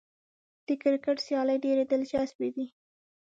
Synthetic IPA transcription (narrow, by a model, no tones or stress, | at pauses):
d̪̥əkɪɾkəʈsjɑləjɖeɾed̪əld͡ʒasbed̪i